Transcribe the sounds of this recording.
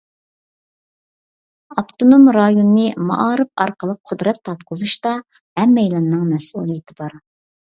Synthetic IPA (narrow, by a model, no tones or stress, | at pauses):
ɑpt̪onomɾɑjonːɨmɑ̰ʔɑɾɨpɑ̰ɾqəlˠəq̚ʰʊd̪ɾɛt̪ʰːɑpqʰʊzˠuʃt̪ɑ | hɛmːɛjlˠɑnːɨŋmɛsulˠijit̪ʰɪbɑɾ